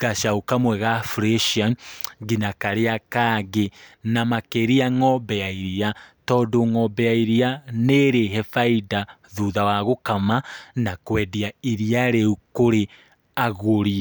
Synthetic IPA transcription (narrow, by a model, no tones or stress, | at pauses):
ɣaʃaukamwɛɣafɾeʃianɡinakaɾeakaɣenamakeɾiaŋɔbɛaiɾiatɔːdoŋɔbɛaiɾianeɾeɦɛfaida | ðuðawaɣokamanakwɛdiaiɾiaɾeukoɾe | aɣoɾi